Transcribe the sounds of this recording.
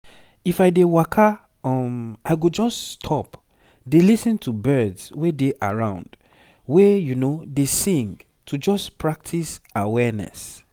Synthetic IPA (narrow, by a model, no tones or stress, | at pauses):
ifajdewakʰa | ɔmaɪɡod͡ʒɔsstʰɔp | delisɛ̃ntʰubɜdswedeʔa̰ɹãʊ̃nd | wejunodesĩŋɡ | tʰud͡ʒɔspɹak̚tʰisawɛnɛ̰s